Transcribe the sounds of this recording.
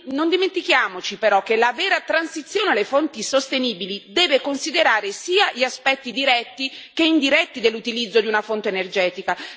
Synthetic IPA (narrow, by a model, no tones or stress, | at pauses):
nond̪iment̪ikjaːmot͡ʃipeɾɔk̟ːelavɛːɾat̪ɾansit̪sːjoːnelefont̪isost̪eniːbilid̪ɛːvekonsid̪eɾaːɾesiːaʎiaspɛt̪ːid̪iɾɛt̪ːikeind̪iɾɛt̪ːid̪elːut̪ilid̪zːod̪iunafont̪eːnerd͡ʒɛːt̪ika